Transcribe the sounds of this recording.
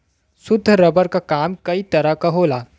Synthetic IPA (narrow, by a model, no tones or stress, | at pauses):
sʊd̪ʱːəɾəbəɾkakamkəit̪ɐɾakɐɦola